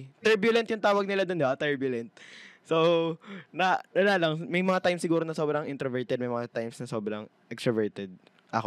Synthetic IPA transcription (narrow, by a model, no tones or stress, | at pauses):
t̪ɛɹbjʊlɛnt̪jʊŋt̪aːwɐɡ̚nɪlad̪ond̪bat̪ɛɹbjʊlɛnt̪̚so | nɐɐlaːlɐŋmɐjmɐŋat̪ajmsːɪɡuːɾonɐsobɾɐŋʔɪnt̪ɾɐvɛɹt̪ɛd̪mɐjmɐŋat̪ajmsnɐsoːbɾɐŋʔɛkst̪ɾɐvɛɹt̪ɛd̪̚ | ʔɐ̰ko